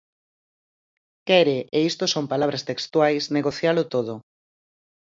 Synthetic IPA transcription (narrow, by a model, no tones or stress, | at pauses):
kɛɾɪʔeist̪osompalaβ̞ɾast̪ekst̪wajsneɣoθjalʊt̪oð̞ʊ